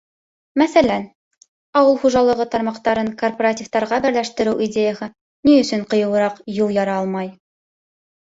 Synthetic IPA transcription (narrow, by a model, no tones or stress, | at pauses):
mæθælæn | ɑwɤlˠχuʒɑlˠɤ̆ʁɤt̪ɑɾmɑqt̪ɑɾɤŋkorporatʲift̪ɑɾʁɑbɘ̆ɾlæʃt̪ɘ̆ɾɘwʔidʲejahɤ | niɵ̆sɵɴqɤ̆jɤ̆wɤ̆ɾɑqjulˠjɑɾɑɑlˠmɑj